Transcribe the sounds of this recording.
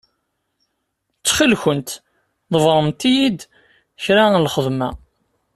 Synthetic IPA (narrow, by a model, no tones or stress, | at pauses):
t͡sːχəlçənt̪ | ðˤəvɾˤəmt̪ijid̪ | çɾalχəðˤmæ